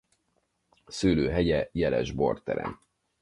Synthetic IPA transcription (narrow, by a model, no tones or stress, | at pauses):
syːløːɦɛɟɛjɛlɛʒbo̞rt̪ɛɾɛ̰n